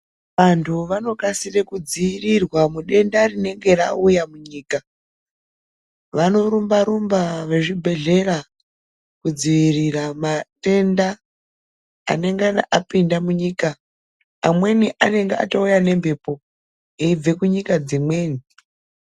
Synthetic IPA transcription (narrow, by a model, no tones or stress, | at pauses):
ʋantʰuʋano̞kasirekud͡ziʋirirwamuɗe̞ndarine̞ŋɡe̞ra̰ujamuɲiːka | ʋano̞ɾumbaɾumbaʋe̞ʐibʱe̞ɮe̞ɾa | kud͡ziʋiriramaɗe̞nda | ne̞ŋɡana̰ʔapindamuɲiːka | amwe̞niʔane̞ŋɡea̰toujane̞mbʱe̞po̞ | eib͡ve̞kuɲikad͡zimwe̞ːni